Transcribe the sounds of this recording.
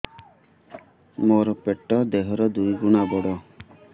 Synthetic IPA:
moɾɔpeʈɔd̪eɦɔɾɔd̪ujɡuɽ̃abɔɽɔ

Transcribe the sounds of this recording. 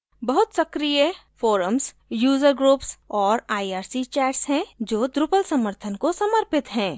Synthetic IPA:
bɐɦʊt̪sɐkɾijefoːɾəms | juːzəɾɡɾuːpsɔːɾaːiaːɾsit͡ʃɛːʈsɦɛ̃d͡ʒoːd̪ɾʊpəlsɐməɾt̪ʰənkosɐməɾpɪt̪ɦɛ̃ː

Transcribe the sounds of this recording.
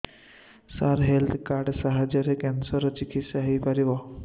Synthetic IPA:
saɾɦelt̪ʰkaɾɖsaɦad͡ʒəɾekensɔɾɔt͡ʃikit̪saɦejpaɾibɔ

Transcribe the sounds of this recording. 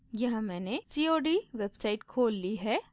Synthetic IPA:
jɐɦãmɛ̃ːnesiːoːɖiʋeːbsaːɪʈkʰoːlːiɦɛː

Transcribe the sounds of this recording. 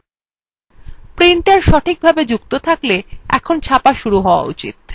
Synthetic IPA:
pɾiɳʈeɾʃɔʈʰik̚bʱabed͡ʑuk̚t̪ot̪ʰakleɛ̰kʰont͡ɕʰapaʃuɾuɦɔoa̰ṵt͡ɕḭt̪̚

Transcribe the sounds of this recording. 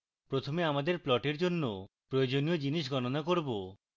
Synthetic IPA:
pɾot̪ʰomeamad̪eɾplɔʈeɾd͡ʑonːopɾojod͡ʑoniod͡ʑiniʃ̬ɡɔnonakoɾbo

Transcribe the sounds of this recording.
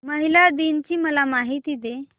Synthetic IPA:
məɦilad̪int͡ɕiːməlamaɦit̪iːd̪e

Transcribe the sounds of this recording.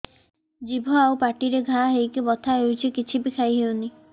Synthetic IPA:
d͡ʒibʱɔawpaʈiɾeɡʱaɦejkibɔt̪ʰaɦewt͡ʃʰikit͡ʃʰibikʰajɦewni

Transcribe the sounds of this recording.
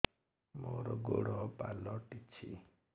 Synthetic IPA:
moɾɔɡoɽɔpalɔʈit͡ʃʰi

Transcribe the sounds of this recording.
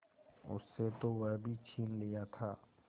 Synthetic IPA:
ʊ̰sːet̪owəbʱit͡ʃʰiːnlɪjat̪ʰaː

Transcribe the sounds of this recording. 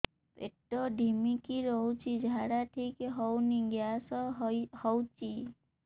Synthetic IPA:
pḛʈɔɖʱimikiɾɔɦut͡ʃʰid͡ʒʱaɽaʈʰikɦɔwniɡjasɔhɔwt͡ʃʰi

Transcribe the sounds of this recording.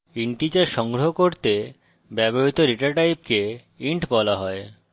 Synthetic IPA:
iɳʈid͡ʑaʃɔŋɡɾoɦokoɾt̪e | bɛboɦit̪oɾiʈaɾʈajp̚ke | iɳʈbɔlaɦɔe

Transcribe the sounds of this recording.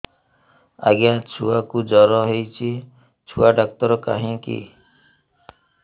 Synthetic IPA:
a̰ɡjat͡ʃʰuakud͡ʒɔɾɔɦejt͡ʃʰi | t͡ʃʰuaɖak̚t̪ɔɾɔka̰ɦĩkḭ

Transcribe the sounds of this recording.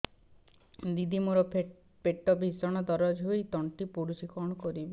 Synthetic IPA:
d̪id̪ʱimoɾɔp | peʈɔbʱisɔɽ̃ɔd̪ɔɾɔd͡ʒɦuojt̪ɔɳʈipuɾusikɔɽ̃ɔkɔɾibi

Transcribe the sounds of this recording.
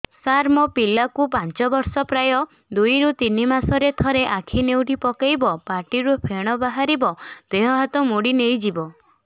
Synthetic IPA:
saɾmɔpilakupaɲt͡ʃɔbɔɾsɔpɾajɔ | d̪ujɾut̪inimasɔɾet̪ʰɔɾeʔakʰinewʈipɔkajbɔpaʈiɾupʰeɽ̃ɔbaɦaɾibɔd̪̥eɦɔɦat̪ɔmoɽinejd͡ʒibɔ

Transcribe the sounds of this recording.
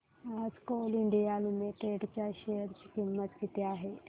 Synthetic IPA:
ad͡zkoliɳɖijalumeʈeɖt͡ɕjaɕejəɾt͡ɕikimːət̪kit̪eaɦe

